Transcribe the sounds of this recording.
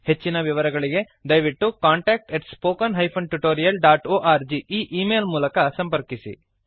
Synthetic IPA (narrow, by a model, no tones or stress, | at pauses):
he̞t͡ʃːinɐʋiʋɐɾɐɡɐɭiɡe̞ | d̪ɐjʋiʈːukaːɳʈeːk̚ʈeʈspoːkɐnɦɐjpʰɐnʈuʈoːɾijɐlɖaːʈoːʔaːɾd͡ʒiiːʔiːmeːlmuːlɐkɐsɐmpɐɾkisḭ